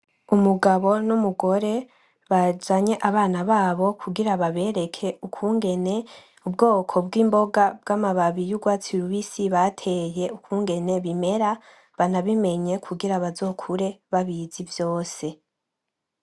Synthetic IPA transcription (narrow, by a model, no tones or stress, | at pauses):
umuɡaβo̞numuɡo̞ɾe̞ | βad͡ʒaɲe̞ʔaβaːnaβaːβo̞kʰuɡiɾaβaβe̞ɾe̞kʰe̞ukʰuːŋɡe̞ne̞ | ub̚ɡo̞ːkʰo̞b̚ɡiːmbo̞ɡab̚ɡaːmaβaβijuɡwaːt͡siɾuβisiβatʰe̞je̞ukuːŋɡe̞ne̞βime̞ɾa | βanaβime̞ɲe̞kʰuɡiɾaβazo̞ːkʰuɾe̞βaβiz̥ivjo̞ːse̞